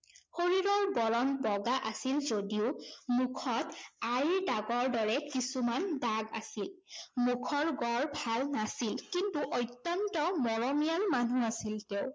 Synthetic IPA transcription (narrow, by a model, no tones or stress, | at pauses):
xoɹiɹɔɹbɔlɔnbɔɡaʔasilzodiʊmukʰɔtajɹdaɡɔɹdɔɹɛkisumandaɡa̰silmukʰɔɹɡɔɹbʱalnasilkintuʔojtːɔntɔmɔɹɔmijalmanuasilteʊ